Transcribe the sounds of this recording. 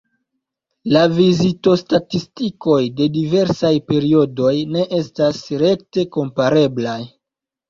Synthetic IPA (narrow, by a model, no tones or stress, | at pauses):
lavizito̞statistiko̞jde̞dive̞ɾsajpe̞ɾio̞do̞jne̞ʔe̞stasɾe̞k̚te̞ko̞mpaɾe̞blaj